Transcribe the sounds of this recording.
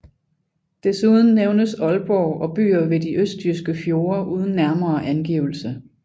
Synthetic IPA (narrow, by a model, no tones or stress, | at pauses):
d̥esuð̞ˠn̩ːeʊnəsɒ̽lb̥ɒːɒ̽b̥y̰ːɐʋe̝diʔøsd̚d̥ʰyɐsɡ̥əfjo̝ːɐʔuːð̞ˠn̩ːæɐmɐːʔænɡ̥ḭʊl̩sə